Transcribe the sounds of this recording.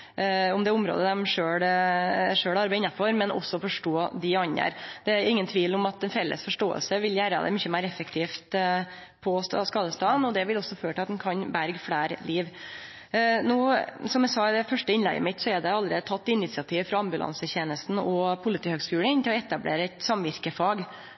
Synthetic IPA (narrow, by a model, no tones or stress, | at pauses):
ʊmd̪ɛʊmɾo̰ːd̪əd̪ɛmʂøːɽ | ʂøːɽɑɾbæɪɪnːɑfɔɾmɛnʔɔ̰sːɔfɔʂʈoːd̪ɪɑnə̰ɾd̪̥ɛæɾɪŋːənt̪ʰʋiːlɔmɑt̪̚d̪ɛnfɛlːʔə̰sfɔʂʈoːə̰lsəʋɪljæːɾə̰d̪ɛ̰mʏçəmæɪɾɛfək̚t̪ʰiːft̪ | pʰɔsskɑːd̪əst̪ɑːənɔd̪ɛʋɪlɔsːɔføːʈʰɪlɑt̪d̪ɛnkʰɑnbæɾɡfɽæːɾliːʋ | nuːsɔmjɛsɑːd̪ɛfœʂʈəɪnlɛ̰ɪə̰mɪt̪sɔɛɾɖ̪ɛɑld̪ɾɛ̰ːd̪ət̪ʰɑt̪ːɪnɪt̪sɪɑt̪ʰiːʋfɾɑɑmbʉlʔɑ̰nsəçeːnəst̪n̩ɔpʰʊlɪt̪ʰiːhøːɡskʉːlənɪnt̪ɪlɔɛt̪ɑblḛːɾəɛt̪sɑmʋɪɾkəfɑːɡ